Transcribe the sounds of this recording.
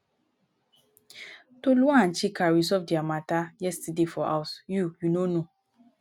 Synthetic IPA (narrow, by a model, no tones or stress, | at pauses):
toluããnt͡ʃikaɹisɔvdiamatajɛstɛdefɔʔa̰ʊsjujunono